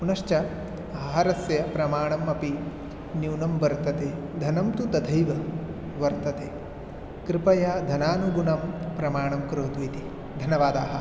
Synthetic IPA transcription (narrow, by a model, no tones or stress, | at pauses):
punɐʂt͡ʃɐ | ɐɦɐɦɐɾɐsjɐpɾɐmaːɳɐmɐpi | njuːnɐmʋɐɾt̪ɐt̪eː | d̪ʱɐnɐmt̪ut̪ɐd̪ʱɐjʋɐ | ʋɐɾt̪ɐt̪eː | kɾɪpɐjaːd̪ʱɐnaːnuɡunɐmpɾɐmaːɳɐmkɾoːt̪uit̪i | d̪ʱɐnjɐʋaːd̪aːɦɐ̆